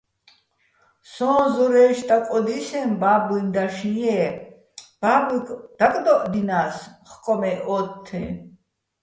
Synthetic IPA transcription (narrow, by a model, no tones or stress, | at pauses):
sɔ̃ːzɔɾɛːʃt̪ʼakʼɔd̪isɛnbaːbind̪aʃĩjɛ | b̥aːbkd̪̥akʼd̪ɔʔd̪inaːsχkʼɔmɛʔɔt̪ʰːɛ̰